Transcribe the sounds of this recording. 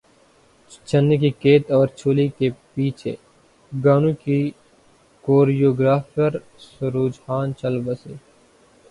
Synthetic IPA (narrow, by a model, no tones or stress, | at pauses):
t͡ʃɐnːik̬ikeːt̪ɔːɾt͡ʃʰoːlikepiːt͡ʃʰḛ | ɡaːnũki | koːɾijoːɡɾaːfəɾ | sʊɾuːd͡ʒhaːnt͡ʃɐlbɐseː